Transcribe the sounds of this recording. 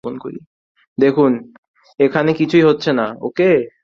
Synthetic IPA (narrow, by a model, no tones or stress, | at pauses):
onko̰ɾḭ | d̪ekʰun | ekʰanekit͡ɕʰuiɦotːɕʰenao̰ke